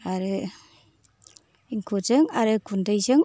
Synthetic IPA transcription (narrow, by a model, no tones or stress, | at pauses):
aɾɯ | iŋkʰozɯŋaɾɯkʰundɯjzɯŋ